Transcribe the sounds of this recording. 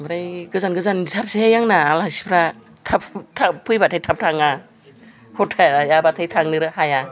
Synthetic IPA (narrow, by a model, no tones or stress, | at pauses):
bɾajɡɯzanɡɯzantʰaɾsihajaŋnaːlasi̥pʰɾa | tʰaptʰapʰɯjbatʰajtʰap̚tʰaŋa | hɔtʰajabatʰajtʰaŋnɯɾɯhaja